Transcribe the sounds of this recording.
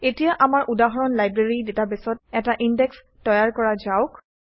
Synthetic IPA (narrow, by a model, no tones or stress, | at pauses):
etijaʔamaɹʔudaɦɔɹɔnlajbɹeɹidetabɛsɔt̚ɛtaʔindɛks | tɔjaɹkɔɹazaʊk